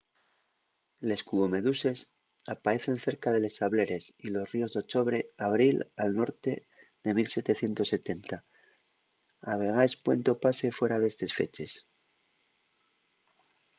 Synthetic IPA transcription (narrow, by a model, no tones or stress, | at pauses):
le̞skuβo̞me̞ðuse̞s | apaɾe̞θe̞nθe̞ɾkaðe̞le̞staβle̞ɾe̞silo̞srio̞zðo̞t͡ʃo̞βɾe̞aβɾilalno̞ɾt̪e̞ | ðe̞milse̞t̪e̞θje̞nt̪o̞sːe̞t̪e̞nt̪a | aβ̞e̞ɣ̞aespwe̞nt̪o̞pase̞fwe̞ɾaðe̞st̪e̞sfe̞̰t͡ʃe̞s